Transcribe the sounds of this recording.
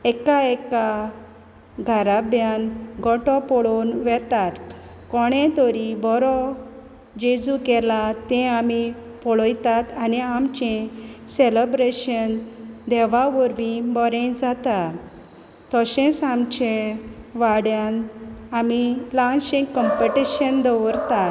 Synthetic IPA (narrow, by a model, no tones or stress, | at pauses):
ɛkaɛka | ɡʱaɾabjanɡɔʈɔpɔɭonʋɛt̪at̪ | kɔɽ̃ɛ̃t̪ɔɾibɔɾɔ | d͡ʑed͡zukɛlat̪ɛ̃ami | pɔɭɔjt̪at̪aniamt͡ɕɛ̃selebɾeɕənd̪ɛʋaʋɔɾʋĩbɔɾẽd͡zat̪a | t̪ɔɕɛ̃samt͡ɕẽʋaɽjãnamilãnɕĩŋɡkəmpeʈiɕənd̪əʋɾt̪at̪